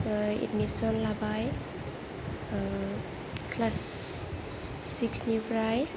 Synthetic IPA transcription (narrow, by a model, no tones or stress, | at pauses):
ḭtmisɔnlabaj | kʰlas | iksnupɾaj